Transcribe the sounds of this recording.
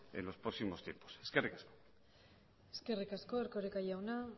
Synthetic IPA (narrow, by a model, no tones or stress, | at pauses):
ḛnlo̞spɾoksimost̪jḛmposeskerikasko̥ | eskerikaskoeɾkoɾekajawna